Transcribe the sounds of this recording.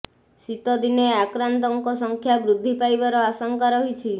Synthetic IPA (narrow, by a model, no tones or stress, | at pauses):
sit̪ɔd̪ineakɾant̪ɔŋkɔsɔŋkʰjabɾud̪ʱːipajbaɾɔasɔŋkaɾɔɦit͡ʃʰi